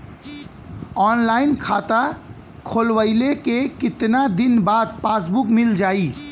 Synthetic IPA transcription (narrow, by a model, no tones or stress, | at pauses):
ɔːnlaːinkʰaːt̪a | kʰoːlwəɪlekekɪt̪nad̪inbaːd̪̚paːsbukmild͡ʒaːi